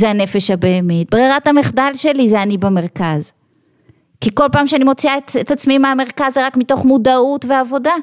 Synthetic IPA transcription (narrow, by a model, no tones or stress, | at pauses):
zeane̞feʃhabeːmit̚bʁeʁathameχdalʃe̞lizeanibeme̞ʁkaz | kiko̞lpaːmʃeanimo̞t͡siaetetat͡smimaameʁkazeʁakmito̞χmudautveavo̞da